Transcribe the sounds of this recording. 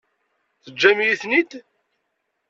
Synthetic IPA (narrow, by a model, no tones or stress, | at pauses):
θəd͡ʒːæmjiθnit̪